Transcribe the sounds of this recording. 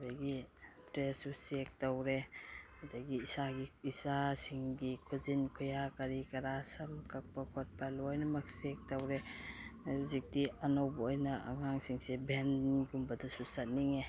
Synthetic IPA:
daɡitɾesusek̚tawɾeadaɡiːsaɡiisasiŋɡikʰɔzinkʰɔjakaɾikɐɾasamkʰak̚pakʰɔt̚palɔɔjnɐmɐk̚sek̚tawɾe | uzik̚diɐnawbɐojnɐa̰ŋaŋsiŋsebʱenɡumbɐdasusat̚niŋe

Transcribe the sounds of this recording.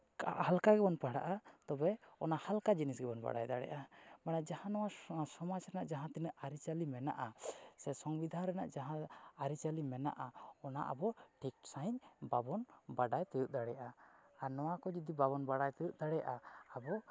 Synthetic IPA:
ka̰ʔhalkaɡɛbɔnpaɽa̰ʔat̪ɔbɛɔnahalkad͡ʒinisɡɛbɔnba̰ɽa̰jd̪a̰ɽɛ̰jʔamaɽad͡ʒahãnɔwasɔmat͡ʃɾɛnaʔd͡ʒaɦãt̪inəʔʔaɾit͡ʃalimɛna̰ʔasɛsɔŋbid̪ʱanɾɛna̰ʔd͡ʒaɦãaɾit͡ʃalimɛna̰ʔaɔna̰ʔa̰bɔʈikʈsaɲbabɔnbaɖajt̪ɛjuʔ̚d̪aɽɛjaʔaːɾnɔwakɔd͡ʒid̪ibabɔnbaɽajt̪ɛjuʔ̚d̪aɽɛjaʔaːbɔ

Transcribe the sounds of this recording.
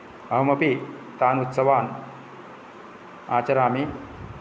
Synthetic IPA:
əɦmɐpi | t̪aːnut̪sɐʋaːn | aːt͡ɕɐɾaːmi

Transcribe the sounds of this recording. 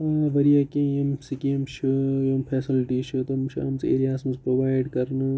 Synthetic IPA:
aːʋɐɾijakẽjɐmsikɐmʃʰɨjompʰeːsilʈiʃʰɨt̪omʃa̰ːmsḛːɾijaːsmɐspɾoːʋaːjɖkɐɾnɨ

